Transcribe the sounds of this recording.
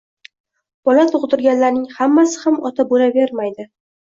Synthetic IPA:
b̥ɒlat̪ʰʊʁd̪ɪɾɡʲanlaɾnɪŋhamːasɪ̥hamɒt̪ʰabolave̞ɾmajd̪ɪ

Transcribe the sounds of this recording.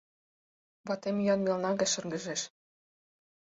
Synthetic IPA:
βɑt̪emjɑnmʲelnɑɣĕʃɤ̆rɡə̆ʒeʃ

